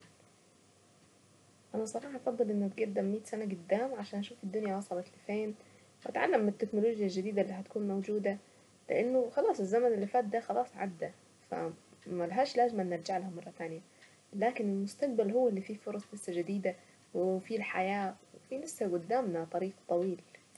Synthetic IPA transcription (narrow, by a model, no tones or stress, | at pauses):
ʔænæʔsˤɑɾˤɑːħɑʔɑfɑd̪ˤːɨlʔɪnːʊb̪ɡæd̪æmːiːt̪sænæɡʊd̪ːaːmʕaʃaːnʔæʃuːfid̪ːʊnjawɑsˤɑlɑt̪lɪfeːn | wʔæ̰t̪ʕa̰lːamːɪt̪ːeknoloːɡjalʒɪd̪iːd̪æʔlːiːɦæt̪kuːnmowd͡ʒuːd̪æ | lɪ̰ʔanːoxɑlɑːsˤezːæmænɪlːɪfaːt̪̚d̪æxɑlɑːsˤʕa̰d̪ːæ | fæ̰mælaɦaːʃlaːzɪmanːɪɾˤd͡ʒaʕlhamɑrˤːɑt̪aːnja | laːkɪnɪlmʊst̪aq̚balɦʊwːlːifiːfoɾˤɑsˤlasːad͡ʒɪd̪iːd̪a | wɪfilħajaːwefilɪsːaɡʊd̪ːaːmnat̪ˤɑɾiːqt̪ˤɑwiːl